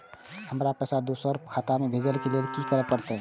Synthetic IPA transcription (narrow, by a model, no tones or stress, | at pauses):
həmɾapɛsad̪usəɾkʰat̪amebʱed͡ʒəlkelelkikəɾɛpəɾt̪ɛ